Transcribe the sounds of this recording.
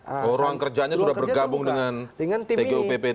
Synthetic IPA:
oɾoaŋkərd͡ʒaɲasudahbərɡabʊŋdəŋanŋt̪eeupepe

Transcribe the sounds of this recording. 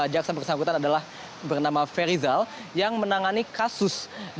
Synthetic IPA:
d͡ʒaksabərsaŋkut̪anadalah | bərnamafeɾizaljaŋmənaŋanikasʊsd

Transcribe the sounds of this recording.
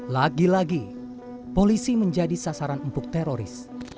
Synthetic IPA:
laɡilaɡi | polisiməɲd͡ʒadisasaɾanumpʊk̚t̪eɾoɾɪ̰s

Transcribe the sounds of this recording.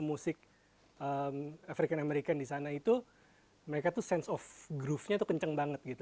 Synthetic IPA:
musɪk̚ | əmafɾikanameɾikandisanait̪u | məɾekat̪usɛnsɔfɡɾufɲat̪ukəɲt͡ʃəŋbaŋət̪̚ɡit̪u

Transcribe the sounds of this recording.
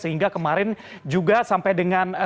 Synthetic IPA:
səɦiŋɡakəmaɾɪn | d͡ʒuɡasampajdəŋan

